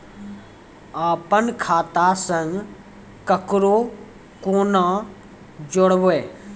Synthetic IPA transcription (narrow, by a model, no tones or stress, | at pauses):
aːpənkʰaːt̪asə̃ŋɡ | kəkɾo | koːnã | d͡ʒoɽʋeː